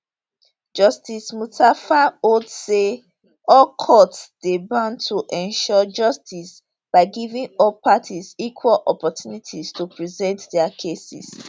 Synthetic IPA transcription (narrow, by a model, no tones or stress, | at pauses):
d͡ʒʌstismutafaodse | ɔlkʰɔtsd̥ebãntʰoʔɛ̃nʃɔd͡ʒʌstʰis | b̥aɪɡivĩŋɔlpatʰizikʰwalʔɔpɔtjunitʰiztopʰɹizɛ̃ntdɛakʰesḭs